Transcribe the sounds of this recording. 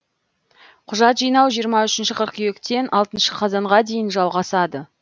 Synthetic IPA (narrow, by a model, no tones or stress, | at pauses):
qʰʊʒɑt̪ʒijnɑwʒijəɾmɑʏʃɪnʃɪqʰəɾqyjekt̪e̞nʔɑlˠt̪ənʃəqʰɑzɑɴʁɑd̪e̞jɪnʒɑlˠʁɑsɑd̪ə